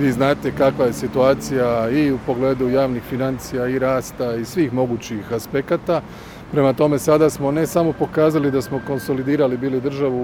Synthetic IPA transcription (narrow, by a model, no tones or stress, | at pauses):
ʋiːznaːt̪e̞kakʋaje̞sit̪uaːt̪sijaiupo̞ɡle̞ːd̪ujaːʋnixfinant̪sijaiɾaːst̪aisʋiːxmo̞ɡuːt͡ɕixaspe̞kat̪a | pɾe̞mat̪o̞me̞sad̪asmo̞ne̞samo̞po̞kaːzalid̪asmo̞ko̞nso̞lid̪iːɾalibiːlid̪r̩ʒaʋu